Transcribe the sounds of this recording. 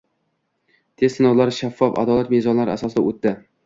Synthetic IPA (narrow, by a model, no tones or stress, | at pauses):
t̪ʰessɪnɒwlaɾʃafːɒfa̰d̪ɒlˠat̪mezɒnlaɾɪa̰sɒsɪd̪aot̪ːɪ